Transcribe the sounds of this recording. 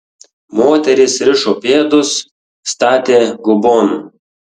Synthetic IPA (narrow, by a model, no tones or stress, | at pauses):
moːt̪ʲɛɾʲɪsɾʲɪʃoːpʲeːd̪ʊsː | t̪ɑːt̪ʲeːɡʊbɔn